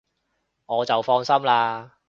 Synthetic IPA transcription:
ŋɔː˨˧t͡sɐ˨wfɔː˧ŋsɐ˥mlaː˧

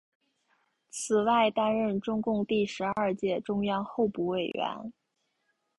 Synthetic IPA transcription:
t͡s̩ʰ˨˩wa˥˩ɪt̪a˥nɻə˥˩nʈ͡ʂʊ˥ŋkʊ˥˧ŋt̪i˥˩ʂɻ̩˧˥ɐ˞˥˧t͡ɕjɛ˥˩ʈ͡ʂʊ˥ŋjɑ˥ŋxo˥˧ʊpu˥˩we˥˨˩ɪɥɛ̰˧˥n

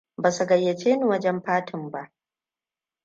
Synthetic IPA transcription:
baː˨su˨ɡɐ˨jːe˨t͡ʃeː˦ni˨wɐ˦d͡ʒɛ˦mɸaː˦tʰɪ˨mba˦ʔ

